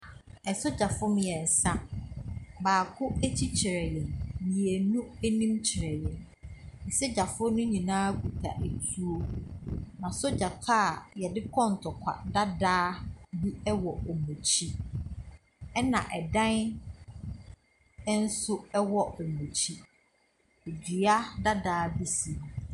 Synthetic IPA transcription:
ɛ˨sʊ˦d͡ʑa˨fʊ˦mɪ̃˨jɛ˨n̩˨sã˦ | baː˨kʰʊ˦æ˦t͡ɕʰi˦t͡ɕʰɪ˨ɾɛ˨jɛ̃˨nmĩ˨e˨nũ˦æ˦nĩ˦mt͡ɕʰɪ˨ɾɛ˨jɛ̃˨n | n̩˨sɛ˦d͡ʑa˨fʊ˦nʊ̃˦ɲĩ˨nãː˦kʰu˨tʰa̰˨ʔe˨tʰu˦o˦ | nã˨sʊ˦d͡ʑa˨tʰa˦˨jɛ˨dɪ˦kʰɔ̃˦n̩˨tʰɔ˨kʷʰa̰˨da˦daː˦bi˦ɛ˦wɔ˨ɔ˨mõ˨t͡ɕʰi˦ | ɛ˦nã̰˨ʔɛ˨dã˦n˦ | n̩˦sʊ˦ɛ˦wɔ˨ɔ˨mõ˨t͡ɕʰi˦ | e˨di˨a˦da˦daː˦bi˦sĩ˨

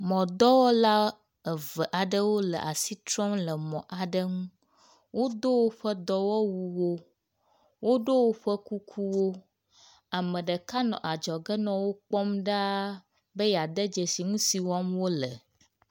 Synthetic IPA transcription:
mɔ̃˨d̪ɔ˦wɔ˦la˦ | ə˨və˨ʔa˨ɖə˦wo˦lə̰˨ʔa̰˨si˦t̪ɾɔ˦mlə˨mɔ̃˨ʔa˨ɖə˦ŋũ˦ | wo˦d̪o˦wo˦ɸə˦d̪ɔ˦wɔ˦wu˨wo˦ | wo˦ɖo˦wo˦ɸə˦ku˦kʰu˦wo˦ | a˨mə̃˨ɖə˨ka˦nɔ̰̃˨ʔa˨d͡ʒɔ˨ɡə˦nɔ̃˨wo˦k͡pɔ˦mɖa˦ | bə˦ja˨d̪ə˦d͡ʒə˨si˨ŋũ˦si˨wɔ˦mwo˦lə˨

